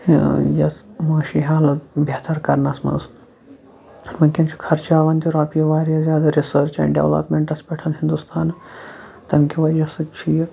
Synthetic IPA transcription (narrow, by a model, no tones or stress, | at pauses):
jɐ̰t͡smaːʃiɦaːlɐt̪bet̪aɾkɐɾnasmɐ̰ns | mɐkʲɐnt͡ʃʰi̥kʰɐɾt͡ʃaːʋɐnt̪iɾaːpijɐʋaːɾjɐzʲaːd̪aɾisəɾt͡ʃɛ̰nɖḛʋlɐ̰pmeɳʈɐspʲɛʈʰɐnɦind̪ust̪ʰaːn | t̪ɐmkʲiʋaɾiɐsɐt͡ʃʰij